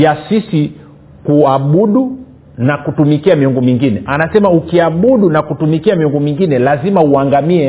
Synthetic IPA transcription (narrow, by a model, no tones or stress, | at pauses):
jasisi | kuaɓuɗu | nakutumikiamiɔŋɡɔmiŋɡinɛʔanasɛmaukiaɓuɗunakutumikiamiɔŋɡɔmiŋɡinɛlazimauaŋɡamiɛ